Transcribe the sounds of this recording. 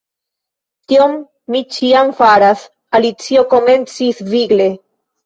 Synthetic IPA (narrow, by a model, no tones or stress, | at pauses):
t̪iomː | it͡ʃiamfaɾas | alit͡siokoment͡sisviɡle